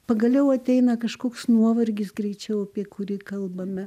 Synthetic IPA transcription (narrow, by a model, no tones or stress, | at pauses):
pɐɡɐlʲɛʊɐt̪ʲɛɪnɐkɐʃkoːksnuɔʋɐrʲɡʲɪsɡɾʲɛɪt͡ʃʲɛʊɐpʲiɛkʊɾʲiːkɐlˠbɐmʲɛ